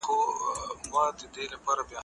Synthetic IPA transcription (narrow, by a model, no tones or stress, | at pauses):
komãːd̪ed̪eːlɐpaːɾɐbjaː